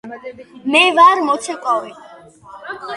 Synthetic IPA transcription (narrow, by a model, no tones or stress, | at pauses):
mɛvaɾmɔt͡sʰɛkʼɔwɛ